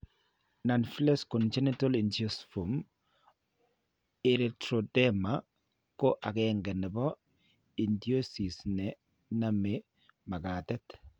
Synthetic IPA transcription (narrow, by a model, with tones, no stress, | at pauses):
na˨nflɛ˦skɔ˨nt͡ʃɛ˦nitɔ˦li˨ndjo˦sfu˨m | eɾɛ˨tɾo˨dɛ˦ma˨ | kɔ˦ʔa˨kɛŋɡɛ˨nɛ˨bɔ˦ | i˨ndi˦o˦si˨snɛ˨ | na˦me˨ | ma˨ka˨tɛ˦t